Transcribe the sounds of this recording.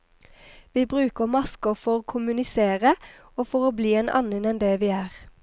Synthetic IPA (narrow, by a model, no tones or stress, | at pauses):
ʋiːbʁʉːkəʁmɑskəfɔʁoːkʰʊmʉnɪseːʁə | oːfɔʁoːbliːeːnʔɑ̰nənɛnd̪ɛːʋiːæːʁ